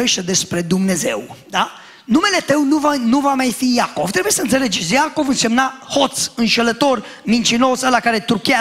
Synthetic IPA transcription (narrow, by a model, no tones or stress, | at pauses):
eʃt̪ed̪e̞spɾe̞d̪umne̞ze̞̰wd̪a | nume̞le̞t̪əwnuvanuvamajfijako̞v̥t̪ɾebuje̞səɨnt̪se̞le̞d͡ʒesjako̞vɨnse̞mnaho̞t̪sɨnʃelət̪o̞r | mint͡ʃino̞səlakaɾe̞t̪ɾukʲia